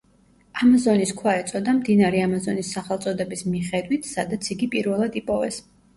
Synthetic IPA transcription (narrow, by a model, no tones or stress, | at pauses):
amazɔniskʰwaɛt̪sʼɔd̪amd̪inaɾɛamazɔnisːaχɛlˠt̪sʼɔd̪ɛbismiχɛd̪wit̪ʰsad̪at̪sʰiɡipʼiɾvɛlˠad̪ipʼɔvɛs